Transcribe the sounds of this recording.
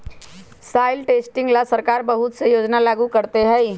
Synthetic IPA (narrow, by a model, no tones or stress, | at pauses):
saːilʈesʈɪ̃ŋɡlasəɾkaːɾbəɦʊt̪sejoːd͡ʒnalaːɡukəɾt̪eɦɛj